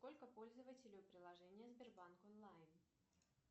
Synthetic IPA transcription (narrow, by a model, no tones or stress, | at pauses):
sko̞lʲkəpo̞lʲzəvətʲɪlʲɪjʊpɾʲɪlˠɐʐɛnʲɪjəzbʲɪrbankonlˠajn